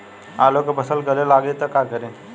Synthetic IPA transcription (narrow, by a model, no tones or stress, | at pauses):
aːlokopəsəlkɐlelaːɡet̪ɐkakəɾẽː